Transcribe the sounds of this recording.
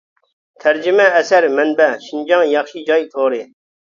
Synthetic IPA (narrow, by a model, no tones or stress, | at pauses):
t̪ʰæɾd͡ʒɪmɛːsæɾmɛnbɛʃind͡ʒɑŋjɑχʃid͡ʒɑjt̪ʰoːɾɨ